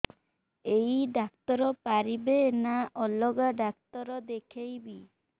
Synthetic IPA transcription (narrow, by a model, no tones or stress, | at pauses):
ejɖakt̪ɔɾɔpaɾibenaʔɔlɔɡaɖak̚t̪ɔɾɔd̪ekʰejbi